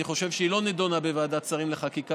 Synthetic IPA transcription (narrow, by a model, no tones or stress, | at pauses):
iχo̞ʃe̞vʃeiloned̪onabevaːd̪at͡saʁimleχakika